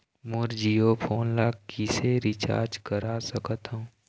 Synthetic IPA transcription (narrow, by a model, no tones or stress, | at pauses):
mʊɾd͡ʒiːopʰoːnlaːkkːiseɾɪt͡ʃa̰ːɾd͡ʒkəɾasəkət̪ɦũ